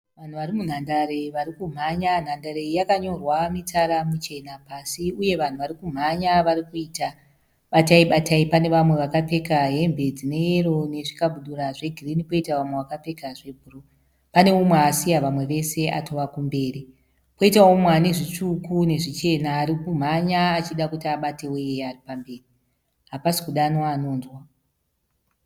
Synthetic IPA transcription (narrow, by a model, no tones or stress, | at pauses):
ʋan̤uʋaɾimun̤andaɾeʋaɾikum̤aɲan̤andaɾejakaɲo̞rwamitaɾamut͡ʃe̞napaːsiuje̞ʋan̤uʋaɾikum̤aɲaʋaɾikuiːta | ɓataiɓataipane̞ʋamwe̞ʋakape̞kaɦe̞mbʱe̞d͡zine̞jeɾo̞ne̞ʐikaɓuɗuɾaʐe̞ɡʱirinipo̞itaʋamweʋakape̞kaʐe̞bʱuro | pane̞umweasijaʋamwe̞ʋe̞se̞ʔatʰo̞ʋakumbe̞ːri | po̞itaomwane̞ʐit͡ʂukune̞ʐit͡ʃe̞naːɾikum̤aɲaːt͡ʃiɗakutiaɓate̞weearipambe̞ːri | ɦapasi̥kuɗanwanoːnzwa